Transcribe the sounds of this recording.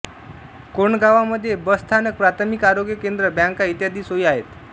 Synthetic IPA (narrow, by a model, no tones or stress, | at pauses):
koɳɡaʋaməd̪ʱːjebəst̪ʰanək̚pɾat̪ʰəmikaɾoɡjəkend̪ɾəbjãŋkait̪jad̪iːsɦoiaɦet̪